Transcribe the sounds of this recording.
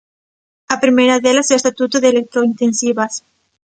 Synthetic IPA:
apɾimejɾaðelasewest̪at̪ut̪oðelek̚t̪ɾoint̪ẽnsiβas

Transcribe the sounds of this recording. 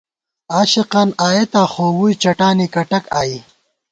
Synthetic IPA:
aːɕiqanaːjet̪aːxoːwujt͡ʃɐʈaːnikɐʈɐkaːi

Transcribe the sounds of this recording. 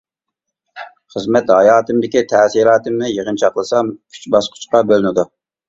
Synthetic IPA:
χəzmɛt̪hɑjɑːt̪ɨmd̪ɪkʲit̪ʰɛsiɾɑːt̪ɨmnɪjəʁənt͡ʃʰɑqlˠəsɑmkʲʰy̥t͡ʃbɑsqʰʊ̥t͡ʃqɑbølɪnɪd̪u

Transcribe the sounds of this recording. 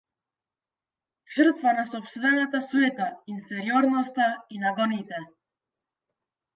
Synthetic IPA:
ʒ̥əɾt̪fanasɔpst̪vɛnat̪asuɛt̪ainfɛɾjɔɾnɔst̪ainaɡɔnit̪ɛ

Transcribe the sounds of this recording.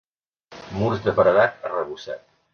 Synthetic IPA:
muɾzd̪əpəɾəðat̪̚ərəβusa̰t̪

